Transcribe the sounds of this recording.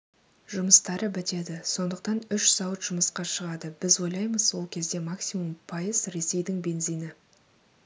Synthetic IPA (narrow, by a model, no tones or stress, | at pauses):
ʒʊməst̪ɑɾəbɪt̪e̞d̪ɪso̞nd̪əq̚t̪ɑnʏʃsɑwət̪ʒ̥ʊməsqɑʃəʁɑd̪əbɪzwo̞jlˠɑjməzwo̞lˠkʲʰe̞zd̪e̞maksʲimumpʰɑjəz̥ɾe̞se̞jd̪ɪŋbe̞nzijnɪ